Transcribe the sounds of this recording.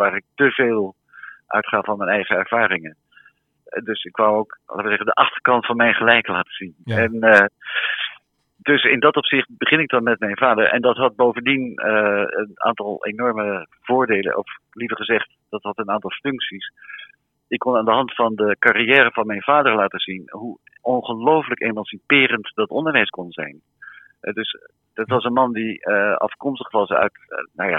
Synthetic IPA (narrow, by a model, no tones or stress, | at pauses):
ʋaːɾɪk̚təveːlˠ | ʔœ̰ɥtχaːɑnmɛnɛjχəɛɹv̥aːrɪŋən | dɵsɪkʋawowklaːtʋəzɛχəndəʔɑχtəɹkɑntfɑnmɛjnχəlɛjklaːtə̥zinɛn | dɵsɪndɑtɔpsɪχt̚bəχɪnɪk̚dɑnmɛt̚mɛjnvaːdəɹʔɛ̰ndɑtɦɑt̚bowvəndinəəna̰ːntɑlˠḛnɔɹməv̥ʊːɹdejlə̰nʔɔ̰f | livəɹχəzɛχt | d̥ɑtɦɑtənaːntɑlˠfɵŋksis | ɪkːɔnaːndəɦɑntfɑndəkariɛːɾəvɑnmɛjnv̥aːdəɹlaːtəzinɦu | ʔɔnχəlowfələkejmɑnsipɪːrəntd̥ɑtɔndəɹʋɛjskɔnzɛ̰jn | ɦɛ̰dɵs | d̥ɑtʋɑsənmɑndiəɑ̰fkɔmstəχʋɑsœ̰ɥtna̰wja̰ː